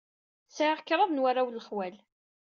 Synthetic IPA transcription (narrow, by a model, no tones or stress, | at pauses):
saʕaʁkːɾˤɑðˤnwarawlːəχwæl